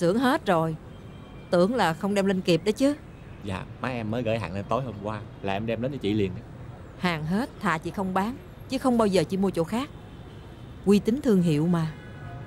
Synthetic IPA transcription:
sɨ˧˩əŋɦe˦˥t̚zo˨˩j | t̪ɨ̰˧˩˥əŋlaː˨˩xə˧wŋ͡mɗɛ˧mle˧nki˨˩p̚ɗə˨˦jt͡ɕɨ˨˦ | za̰ː˧˨maː˨˦ʔɛ˧mːəː˨˦jɣə̰ː˧˩˦jɦa̰ː˨˩ŋle˧nt̪o˨˦jho˧mkwaː˧laː˨˩ʔɛ˧mɗɛ˧mɗə˨˦nə˧˦t͡ɕḭ˧˨li˨˩ənʔa˨˦ | haː˨˩ŋɦe˦˥t̚t̪ʰa̰ː˧˨t͡ɕḭ˧˥xə˧wŋ͡mɓaː˨˦n | t͡ɕɨ˨˦xə˧wŋ͡mɓaː˧wzəː˨˩t͡ɕḭ˧˦mu˧ət͡ɕo̰˧˥xaː˦˥k̚ | kwi˧t̪ï˨˦ŋ̟t̪ʰɨ˧əŋɦḭ˧˨əwmaː˨˩

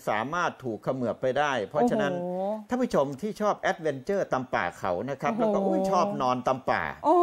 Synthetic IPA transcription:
saː˩˦maː˥˩t̪ʰːuː˨˩k̚ʰːa˧mɯ˨˩əp̚pa˧jdaː˥˩jpʰɔ˦˥t͡ɕʰa˧na˦˥nt̪ʰaː˥˩pʰuː˥˩o˧mt̪ʰiː˥˩t͡ɕʰɔː˥˩p̚ʔɛ˦˥t̪̚we˧nt͡ɕɤː˥˩t̪a˧mpa̰ː˨˩kʰa̰˩˦wna˦˥kʰɾa˦˥plɛ˦˥wkɔ˥˩kɔ˥˩a˥˩t͡ɕʰɔː˥˩p̚nɔː˧nt̪a˧mpa̰ː˨˩ʔo˧

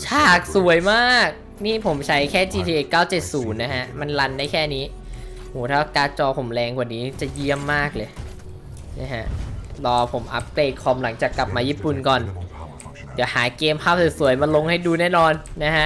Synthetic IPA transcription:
t͡ɕʰaː˧˩k̚su˨˩˦ə˦jmaː˥˩k̚ | niː˥˩pʰo˩˦mt͡ɕʰa˦˥jkʰɛː˥˩t͡ɕiː˧t̪ʰiː˧ʔe˨˩kːaː˥˩wt͡ɕe˨˩t̪̚suː˩˦nːa˦˥kʰa˦˥ma˧nla˧ndaː˥˩jkʰɛː˥˩niː˦˥ | hoː˩˦t̪ʰaː˥˩kaː˧t͡ɕɔː˧pʰo˩˦mlɛː˧ŋkwa˨˩niː˦˥t͡ɕa˨˩ji˥˩əmːaː˥˩k̚lɤː˧j | na˦˥kʰa˦˥ʔlɔː˧pʰo˩˦mʔa̰˦˥p̚kleː˧˩t̪̚kʰɔː˧mla˩˦ŋt͡ɕaː˨˩kːla˨˩p̚maː˧jiː˥˩pu˨˩nkɔː˨˩n | d̪iː˨˩˦haː˩˦keː˧mpʰaː˥˩p̚st̪su˨˩˦əjma˧lo˧ŋha˥˩jduː˧nɛː˥˩nɔː˧nːa˦˥kʰa˦˥ʔ

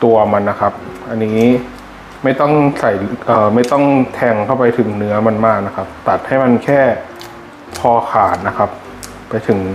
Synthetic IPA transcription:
t̪u˧ɐma˧nːa˦˥kʰa˦˥p̚ʔa˧nːiː˦˥ | ma˥˩jt̪ɔ˥˩ŋsa˨˩jlʔɤː˨˩ma˥˩jt̪ɔ˥˩ŋt̪ʰɛː˧ŋkʰa˥˩wpa˧jt̪ʰɯ˩˦ŋnɯ˦˥ɐma˧nmaː˥˩k̚na˦˥kʰa˦˥p̚t̪a˨˩t̪̚ha˥˩jma˧nkʰɛː˥˩ | pʰɔː˧kʰaː˨˩t̪̚na˦˥kʰa˦˥p̚ː | a˧jt̪ʰɯ˩˦ŋ

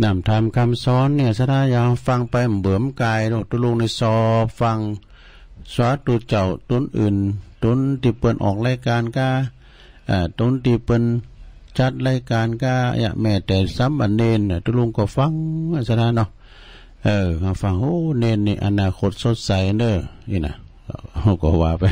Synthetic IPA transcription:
na˧˩mt̪ʰaː˧˩˨mkʰa˧˨msɔː˨˦nːi˧˩ə˨sa˧t̪ʰaː˧˨ja˧ha˧fa˧ŋpa˧jm˨˩bɤ˨˦əmkaː˧jdo˧˨t̪u˧lu˧˨ŋni˧˨sɔː˧p̚fa˧ŋ | swa˧˦t̪u˧t̪̚t͡ɕa˧˩wt̪o˧˥˨nʔɯː˨˩˨nt̪o˧˦nt̪iː˧pɤ˧nʔɔ̰ː˨˩k̚laː˧˨jkaː˧˨nkaː˧ | ʔaː˧˩t̪o˧˦˨nt̪iː˧pɤ˧˨n | t͡ɕa˧˦t̪̚la˧˥jkaː˧˨nka̰ː˧ja̰˧ʔmɛː˧˩t̪ɛː˨˧˩sa˧˦mʔa˧˨nːeː˧˩˨nːa˨t̪u˧˨lo˧˨ŋkɔ˧˩fa˧ŋa˧˨sa˧na˧nɔ˧ | ʔəː˧ha˧˨fa˧˨ŋhoː˧˦neː˧nːi˧ʔa̰˧˨naː˧kʰo˧˩t̪̚so˧t̪̚sa˨˦jndəː˧˩ | ʔi˧˨na̰˧˨ | kɔ˧˨hu˧kɔ˧˩waː˨˧pa˧˦

